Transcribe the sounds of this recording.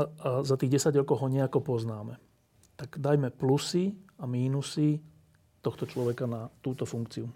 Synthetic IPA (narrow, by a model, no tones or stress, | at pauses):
aazat̪iːɣɟɛsaɟɾɔkɔʊɦɔɲɛakɔpɔznaːmɛ | t̪aɡd̪ajmɛplusiamiːnusi | t̪ɔxt̪ɔt͡ʃlɔʋɛkanat̪uːt̪ɔfuŋkt͡siu